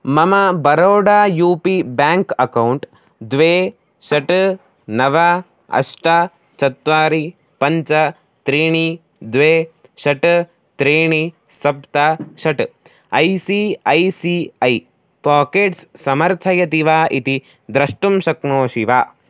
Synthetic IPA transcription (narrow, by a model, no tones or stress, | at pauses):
mɐmɐbɐɾoːɖaːjuːpibaːŋkɐkɐwuɳʈ | d̪ʋeː | ʃɐʈ | nɐʋɐ | ɐ̰ʂʈɐ | t͡ʃɐt̪ʋaːɾi | pɐɲt͡ʃɐ | t̪ɾiːɳi | d̪ʋeː | ʃɐʈ | t̪ɾiːɳi | sɐpt̪ɐʃɐʈ | ɐjsiɐjsiɐj | paːkeːʈssɐmɐɾt̪ʰɐjɐt̪iʋaːʔit̪i | d̪ɾɐʂʈumʃɐknoːʃiʋaː